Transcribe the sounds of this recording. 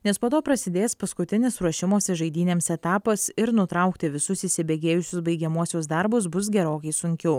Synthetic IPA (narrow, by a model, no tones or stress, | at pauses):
nʲɛspoːt̪oːpɾɐsʲɪd̪ʲeːspɐskʊt̪ʲɪnʲɪsɾuɔʃʲɪmoːsʲɛʒɐɪd̪ʲiːnʲeːmsɛt̪ɑːpɐsɪɾnʊt̪ɾɐʊkt̪ʲɪʋʲɪsʊsisʲɪbʲeːɡʲeːjʊsʲʊsbɐɪɡʲɛmuɔsʲoːsd̪ɐɾbʊs̬bʊs̬ɡʲɛɾoːkɐɪsʊŋʲkʲɛʊ